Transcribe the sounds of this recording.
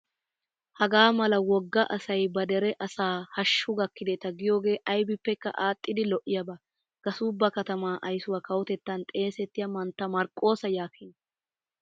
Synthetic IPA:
hɐɡaːmɐlɐwɔɡːɐʔɐsɐjbɐd̪ɛɾɛʔɐsaːhɐʃːʊɡɐkːɪd̪ɛt̪ɐɡɪjo̞ːɡe̞ːʔɐjbɪpːɛkːɐ̰ʔaːt̪ʼːɪd̪ɪlɔʔɪjɐbɐ | ɡ̥ɐsuːbːɐkɐt̪ɐmaːʔɐjsʊwɐkɐwɔt̪ɛt̪ːɐnt̪ʼe̞ːsɛt̪ːɪjɐmɐnt̪ːɐmɐɾkʼːo̞ːsɐjaːkin

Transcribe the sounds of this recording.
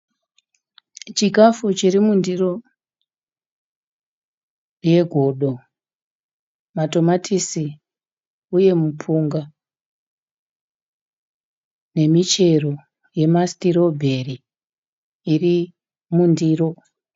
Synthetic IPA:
t͡ʃiɡʱafut͡ʃirimundiro̞ | je̞ɡʱo̞ɗo̞ | mato̞matʰisi | uje̞mupʰuŋɡa | ne̞mit͡ʃe̞ro̞ | je̞mastiɾo̞bʱe̞ri | ri | mundiːro̞

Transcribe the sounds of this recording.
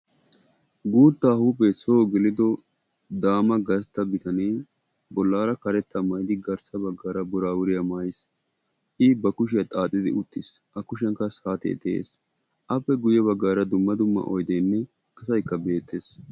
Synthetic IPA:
ɡuːt̪ːaːhupesoːɡɪlɪd̪ɔ | d̪aːmɐɡɐst̪ːɐbɪt̪ɐneː | bɔlːaːɾɐkɐɾɛt̪ːɐmɐjd̪ɪɡɐɾsɐbɐɡːaːɾɐbʊɾaːwʊɾɪjamaːjɪs | ʔɪbɐkʊʃɪjat̪ʼaːt̪ʼːɪd̪ɪʊt̪ːɪsʔɐkʊʃɛŋkːɐsaːt̪ḛd̪ɛḛːs | ʔɐpːɛɡʊjɛβɐɡːaːɾɐd̪ʊmːɐd̪ʊmːɐ̰ʔɔjd̪enːɛ | ʔɐsɐjkːɐbe̞ːt̪ːeːs

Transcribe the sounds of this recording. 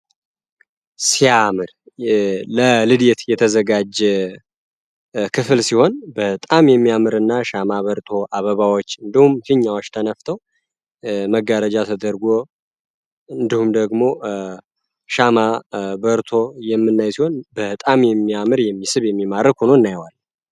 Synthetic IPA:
siamɨɾ | ləlɨd̪et̪jɛt̪ʰəzəɡad͡ʒɛ | kʰɨfɨlsiho̞nbət̪ʼamjɛmːijamɨɾɨnːaʃamaβəɾt̪ʰo̞ʔaβəβawot͡ʃːɨnd̪ihumfɨɲːawot͡ʃːt̪ʰənəft̪ʰəw | məɡːəɾəd͡ʒat̪ʰəd̪əɾɡo | ɨnd̪ihumd̪əɡmo̞ | ʃamabəɾt̪ʰo̞jɛmːɨnːajsiho̞nbət̪ʼamjɛmːijamɨɾjɛmːisɨβjɛmːimaɾəkhonoɨnːajwal

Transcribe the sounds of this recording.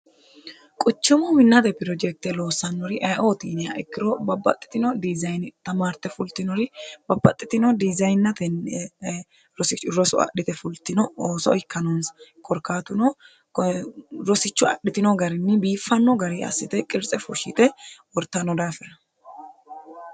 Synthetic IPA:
kʼʊt͡ʃːɪmɔmɪnːɐt̪ɛpɪɾɔd͡ʒɛk̚t̪ɛlo̞ːsːɐnːɔɾɪʔɐjʔo̞ːt̪iːnɪjɐ̰ɛkːɪɾɔbɐbːɐ̰t̪ʼːɪ̥t̪ɪnɔd̪ɪzɐjnt̪ɐmaːɾt̪ːɛfʊlt̪ːɪnɔɾɪb̥ɐbːɐt̪ʼːɪt̪ɪnɔd̪ɪzɐjnːɐt̪ɛn | ɾɔsɪt͡ʃːʊɾɔsʊ̰ɐ̰ɗɪt̪ɛfʊlt̪ːɪnɔoːsɔ̰ɪkːɐnɔnskʰʼɔɾkːaːt̪ʊnɔ | ɾɔsɪt͡ʃːʊɐ̰ɗɪt̪ɪnɔɡɐɾɪnːɪbiːfːɐnːɔɡɐɾiʔɐ̰sːɪt̪ɛkʼɪɾt͡sʼɛfʊʃɪt̪ɛwɔɾt̪ːɐnːɔd̪aːfɛɾɐ

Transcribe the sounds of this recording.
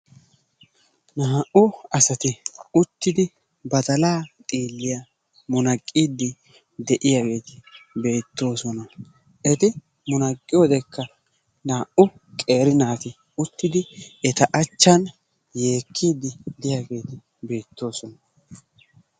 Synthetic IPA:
naːʔʊɐsɐt̪ɪʊt̪ːɪd̪ɪ | bɐt̪ɐlaːt̪ʼiːlːɪjɐ | mʊnɐkʼːiːd̪ːɪ | d̪ɛʔɪjaɡe̞ːt̪ɪ̥be̞ːt̪ːo̞ːsɔnɐ | ʔɛt̪ɪ | mʊnɐkʼːɪjoːd̪ɛkːɐ | naːʔʊ | kʼe̞ːɾɪnaːt̪ɪ | ʊt̪ːɪd̪ɪɛt̪ɐʔɐt͡ʃːɐn | je̞ːkʰːiːd̪ːɪd̪ɪjaɡe̞ːt̪ɪ | be̞ːt̪ːo̞ːsɔnɐ

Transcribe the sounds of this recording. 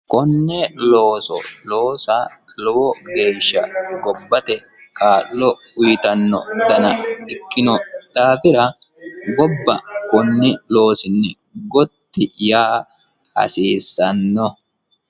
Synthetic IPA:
kɔnːɛloːsɔ̰lo̞ːsalɔwɔɡe̞ːʃːɐɡɔbːɐt̪ɛ | kaːlːɔ | ʊjt̪ɐnːɔ̰d̪ɐnɐɪkːɪnɔt̪aːfɪɾɐ | ɡɔbːɐkɔnːɪlo̞ːsɪnːɪ | ɡɔt̪ːɪjaː | hɐ̰siːsːɐnːɔ

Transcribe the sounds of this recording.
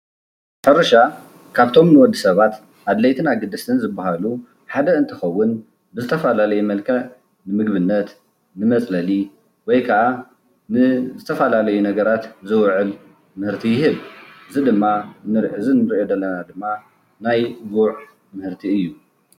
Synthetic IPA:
ħɐɾɐʃa | kʰaβt̪ʰo̞mnɨwɔd̪ːɨsɐβat̪ | ʔad̪lɐjt̪ʰɨnaɡɨd̪ɨsɨnzɨbːahalu | ħad̪ɐɨnt̪ʰɐxɐwːʊn | bɨzɨt̪ʰɐfalalɐjumɐlkʰɐʕ | nɨmɨɡβɨnːɐt̪ | nɨmɐt͡sʼlɐli | wɔjkʰɐʔa | nɨzɨt̪ʰɐfalalɐjunɐɡɐɾat̪zɨwʕɨl | mɨhɨɾt̪ʰijɪhɨβʔɨzɨd̪ɨmːanɨɾʕɨzɨnɨɾʔod̪ɐlːɐnad̪ɨmːa | najɡuʕ | mɨhɨɾt̪ʰiɨjːu

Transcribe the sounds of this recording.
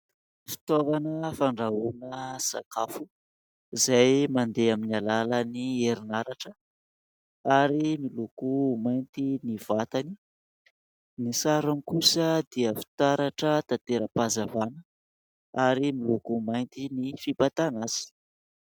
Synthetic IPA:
fi̥t̪ovanəfaɳɖ͡ʐaunəsa̰kʰafu | izajmand̪eaminalalənieɾinaɾaʈ͡ʂə | aɾimilukumajnt̪iniv̥at̪ani̥ | nisaɾamikusəd̪iəfi̥t̪aɾaʈ͡ʂət̪at̪eɾəpazavanə | aɾimilukumajnt̪inifipat̪anaz̥i̥

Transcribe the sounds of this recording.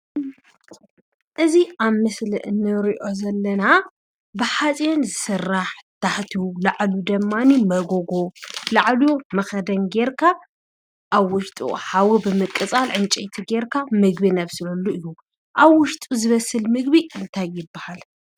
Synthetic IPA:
ʔɨziʔaβmɨslɨ̰ʔɨnːɨɾiʔo̞zɐlːɐna | bɨħat͡sʼjonzɨsɨrːaħt̪ʰaħt̪ʰilaʕlud̪ɐmːanimɐɡoɡolaʕljumɐxɐd̪ɐnɡe̞ɾkʰa | ʔaβwʊʃt̪ʼṵħawibɨmɨkʼːɨt͡sʼalʕɨnt͡ʃʼɐjt̪ʰiɡe̞ɾkʰamɨɡbinɐβsɨlɐlːuɨjːu | ʔaβwʊʃt̪ʼuzɨβɐsːɨlmɨɡbiʔɨnt̪ʰajːɪbːahal

